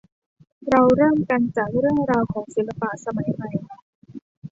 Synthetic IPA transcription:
ɾa˧wɾɤː˥˩mka˧nt͡ɕaː˨˩k̚ɾɯ˥˩əŋɾaː˧wkʰɔː˩˦ŋsi˨˩˦lːa˧pa˨˩sa˧ma˩˦jba˧jkʰa˦˥

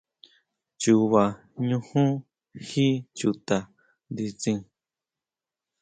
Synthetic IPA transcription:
t͡ʃu˧˨βa˨ | ɲũ˧hũ˦ | hi˦t͡ʃu˧t̪a˨ | nd̪i˧t͡sĩ˧

